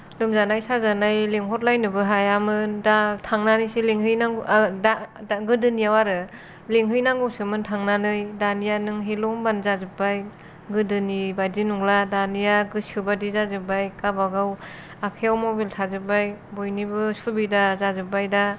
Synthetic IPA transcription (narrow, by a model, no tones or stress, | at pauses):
lɯmzanajsazanajleŋɦɔt̚lajnɯbɯɦajamɯndatʰaŋnanisiliŋhɯjnadaɡɯdɯnijawaɾɯ | leŋɦɯjnaŋɡɯwsɯmɯntʰaŋnanɯjdanijanɯŋɦelɔŋbanzazɯbaj | ɡɯdɯnibadinuŋladanijaɡɯsɯbadizazɯbajkabaɡaw | akʰijawmobiltʰazɯbajbojnibɯsubidazazɯbajda